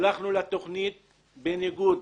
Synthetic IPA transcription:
laχnulat̪o̞χnit̪̚ | beniɡud

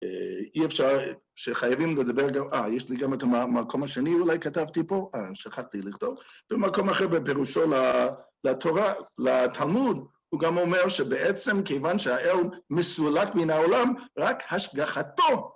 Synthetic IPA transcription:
ḛiefʃaʁ | ʃeχajavimledabeʁɡamajɛʃliɡametaamakʰo̞maʃeniulajkatavt̪ipo̞ʔaʃaχaχtiliχtovb̥emako̞maχeʁbepeʁuʃo̞la | lat̪ʰoʁalatʰalmud̪ | huɡamomeʁʃebeʔet͡semkejvanʃeaʔelmesulakbenaolamʁakhaʃɡaχato

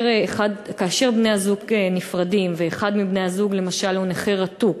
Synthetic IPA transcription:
ʁeχad̪kaːʃe̞ʁbne̞jazuɡenifʁadimveːχad̪mibne̞jazuɡle̞maʃaluneχeʁat̪uk

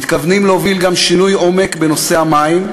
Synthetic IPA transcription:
it̪kavnimleovilɡamʃinujo̞me̞kbe̞no̞se̞amaim

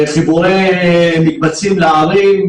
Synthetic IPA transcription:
χibuʁejmik̚bat͡simleaʁim

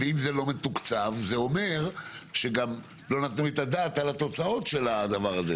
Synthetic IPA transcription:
veimzelo̞met̪ukt͡savzeo̞me̞ʁʃeɡam | lo̞nat̪nuet̪ad̪at̪alat̪o̞t͡sao̞tʃe̞lad̪avaʁaze

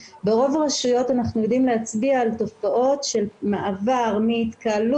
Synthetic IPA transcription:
beʁo̞vaʁaʃujo̞tanaχnujod̪imleat͡sbiaːlto̞faʔo̞tʃe̞lmaʔavaʁmiit̪kal

